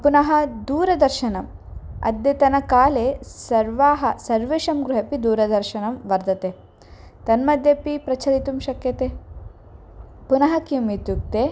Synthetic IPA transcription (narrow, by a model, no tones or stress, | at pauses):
punɐɦɐd̪uːɾɐd̪ɐɾʃɐnɐmɐ̰d̪jɐt̪ɐnɐkaːleːsɐɾʋaːɦɐsɐɾʋeːʃɐmɡɾuɦɐpid̪uːɾɐd̪ɐɾʃɐnɐmʋɐɾd̪ɐt̪eː | t̪ɐnmɐd̪ʱjɐpipɾɐt͡ʃʰɐlit̪umʃɐkjɐt̪eː | punɐɦɐkimit̪juk̚t̪eː